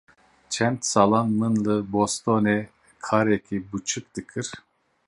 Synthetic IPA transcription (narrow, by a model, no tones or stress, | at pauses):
t͡ʃʰɛnt̪salˠanmɯnlˠɯbost̪ʰonɛ | kʰaɾekʰibut͡ʃʰɯk̚d̪ɯkʰɯɾ̥